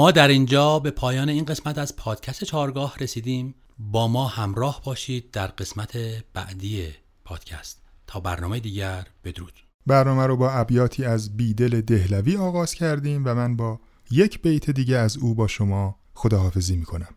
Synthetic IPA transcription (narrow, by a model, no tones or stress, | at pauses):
mɒːd̪æɾind͡ʒɒːbe̞pʰɒːjɒːneiːnɢe̞smæt̪æz̥pʰɒːd̪̥cʰæst̪et͡ʃʰɒːɾɡɒːhɾe̞siːd̪iːm | bɒːmɒːhæmɾɒːhbɒːʃiːd̪̚ːæɾɢe̞smæt̪ʰeb̥æ̰ʔd̪iːje | pʰɒːd̪̥cʰæst̪ʰː | ɒːbæ̰ɾnɒːmejd̪iːɟæɾb̥e̞d̪oɾuːd͡ʒ̪̥ | bæɾnɒːmæɾobɒːæbjɒːt̪ʰiːæzbiːd̪e̞le̞d̪e̞hlæviːɒːɣɒːz̥cʰæɾd̪iːmvæmænbɒː | je̞cʰb̥ejt̪ʰed̪iːɟeæzuːbɒːʃomɒː | xod̪ɒːɦɒːfe̞ziːmiːkʰo̞næm